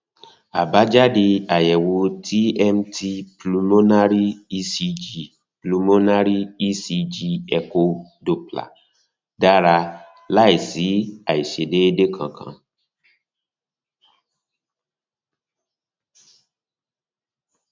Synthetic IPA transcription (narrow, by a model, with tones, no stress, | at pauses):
a˨ba˨˦d͡ʒa˦di˧a˨jɛ˨wo˧ti˦ɛ˦m˦ti˧plu˧mo˦na˦ɾi˦i˦si˧d͡ʒi˨ | plu˧mõ˦na˦ɾi˦i˦si˧d͡ʒi˧ɛ˧ko˧do˨pla̰˨ | da˦ɾa˧ | la˦˨i˨si˨˦a˨i˨ʃe˨de˦e˦de˦kʰã˨kʰã̰˧˨